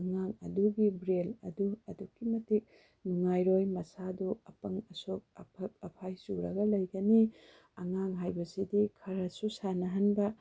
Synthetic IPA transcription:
ɐŋaŋɐ̰duɡibɾelɐ̰duɐdukːimɐtik̚ | nuŋajɾojmɐsaduɐpɐŋɐsok̚ɐ̰pʰɐk̚ɐpʰajsuɾɐɡɐlɐjɡɐni | ɐŋaŋɦajbɐsidikʰɐɾɐsusanɐɦɐnbɐ

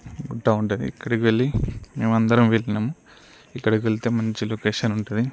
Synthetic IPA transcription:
ɡuʈːaːuɳʈud̪ḭːkːɐɽikiʋe̞ɭːime̞ːmɐnd̪ɐɾɐmʋe̞ɭːinɐmu | ikːɐɽikiʋeɭt̪eːmɐɲt͡ʃiloːkeːʂɐnuɳʈund̪i

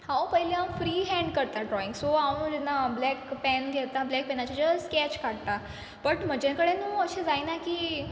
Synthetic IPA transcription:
hawpəɦileawfɾiːɦɛ̃ɳɖkəɾt̪aɖɾɔiŋɡsoaũd͡ʑɛnːablɛkpɛnɡʱɛt̪ablɛk̚pɛnat͡ɕad͡ʑəskɛt͡ɕkaɽ̚t̪a | bəʈm̤əd͡ʑãkəɽenuəɕed͡zajnakiː

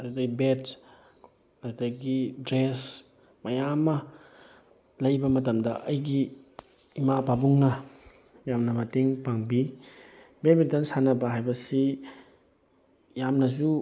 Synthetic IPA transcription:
ɐɾdɐɡibet | ɐɾdaɡidɾes | mɐjamːɐ | lɐjbɐmɐtɐmdɐ̰ʔɐjɡiː | mababuŋnɐ | jamnɐmɐteŋpaŋbi | bet̚met̚dansanɐbɐɦajbɐsi | jamnɐzu

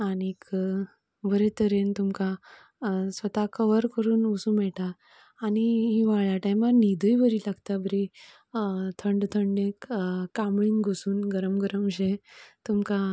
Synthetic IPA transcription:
anik | ʋəɾet̪əɾent̪umka | sʋət̪akəʋəɾkəɾuːnusũmɛɭʈaː | niɦiʋaɭjaʈajmanid̪ʱujʋəɾilaɡt̪abʱəɾi | t̪ʰəɳɖt̪ʰəɳɖekːamɭĩŋɡɡʱusuːnɡəɾəmɡəɾəmɕet̪umka

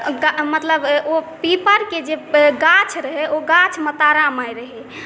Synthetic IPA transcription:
ɡamət̪ləbopipəɾked͡ʒeɡat͡ʃʰɾəɦɛoɡat͡ʃʰmət̪aɾamajɾəɦɛ

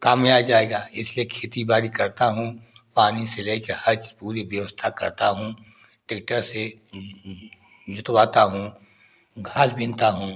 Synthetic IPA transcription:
kaːmjaːd͡ʒaːeːɡaːɪsliekʰeːt̪ibaːɾikɐɾt̪aɦũ | paːniseleːkehɐɾt͡ʃpuːɾiʋjəʋəst̪ʰakɐ̰ɾt̪aɦũː | ʈek̚ʈəɾse | d͡ʒʊt̪waːt̪aɦũː | ɡʱaːsbʱɪ̃nt̪aɦũ

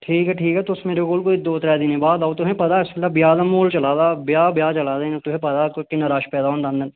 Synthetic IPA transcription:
ʈʰiːkɦɛʈʰiːkɦɛt̪osmeːɾekoːlkoːid̪oːt̪ɾɛːd̪ɪnẽbaːd̪aːt̪uɦɛ̃pɐd̪aɪskɪlːabjaːd̪ɐmoːlt͡ʃɐlaːd̪aːbjaːbjaːt͡ʃɐlaːd̪ent̪uɦɛ̃pɐd̪aːkkinɐɾaːʃpɛːd̪aːoːnd̪ɐ̃nd̪ən

